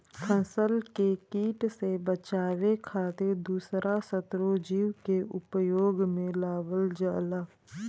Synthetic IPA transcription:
kʰə̃nsəlkekiːʈsebət͡ʃaːʋekʰaːt̪ed̪uːsɾasət̪ɾod͡ʒiːʋkeʔʊpjoːɡmẽlaːbəld͡ʒaːlaː

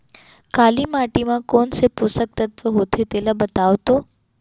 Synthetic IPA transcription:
kaːlimaːʈimãkoːnsepʊsək̚t̪ət̪ʋəɦoːt̪ʰet̪elabət̪aːʋt̪oː

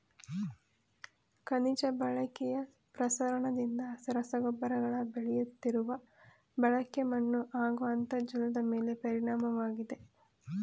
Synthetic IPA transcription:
kɐnid͡ʒɐbɐɭɐkɛjɐ | pɾɐsɐɾɐɳɐd̪ind̪ɐsɾɐsɐɡɔbːɐɾɐɡɐɭɐbeɭɛjut̪ːiɾuʋɐ | bɐɭɐkjɐmɐɳːuʔaːɡuɐnt̪ɐd͡ʒilɐd̪ɐmeːle̞pɐɾiɳaːmɐʋaːɡid̪e̞

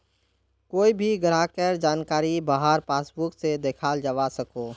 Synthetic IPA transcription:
koːibʱiɡəɾakəɾd͡ʒaːnkaːɾibaɦaɾpaːsbʊksed̪eːkʰaːld͡ʒəʋasəkoː

